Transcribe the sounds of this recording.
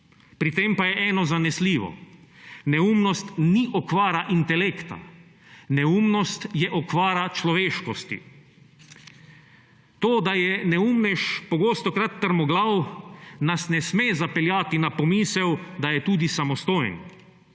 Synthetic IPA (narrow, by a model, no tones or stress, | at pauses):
pɾit̪empajɛʔɛːnɔzanɛsliːʋɔ̰ | nɛumnɔst̪niʔɔkʋaːɾaʔint̪ɛleːkt̪a̰ | nɛuːmnɔst̪jɛʔɔkʋaːɾat͡ʃlɔʋeːʃkɔst̪ḭ | t̪oːd̪ajɛnɛuːmnɛʃpɔɡoːst̪ɔkɾat̪ːəɾmɔɡlawnasnɛsmezapɛljaːt̪inapɔmiːsɛwd̪ajɛt̪uːd̪isamɔst̪oːjn